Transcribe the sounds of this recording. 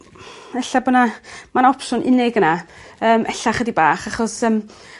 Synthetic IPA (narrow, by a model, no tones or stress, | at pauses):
ɛɬabɔnamanɔpsʊnʔɪ̰nɪɡənaəːmʔɛɬaχədibaːχaχɔsəːm